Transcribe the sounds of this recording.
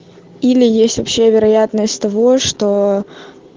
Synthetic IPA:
ilʲɪjesʲtʲvɐpɕːe̞vʲɪɾɐjat̪nəsʲtʲt̪ɐvo̞ʂt̪o

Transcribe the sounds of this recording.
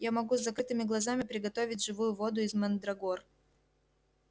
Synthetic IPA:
jamɐɡuzːɐkɾɨt̪ɨmʲɪɡlˠɐzamʲɪpɾʲɪɡɐt̪o̞vʲɪtʲʐɨvujʊvo̞d̪ʊɪzmɛnd̪ɾɐɡor

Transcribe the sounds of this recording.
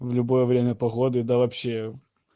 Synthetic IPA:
vlʲʊbo̞jəvɾʲemʲəpɐɣo̞d̪ɨd̪avɐpɕːe

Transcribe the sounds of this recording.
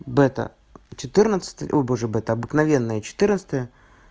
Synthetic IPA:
bɛt̪ə̰ | t͡ɕɪt̪ɨrnət̪sə̥t̪əjʔoboʐɨbɛt̪əɐbɨknɐvʲe̞nːəjət͡ɕɪ̥t̪ɨrnət̪sə̥t̪əjə

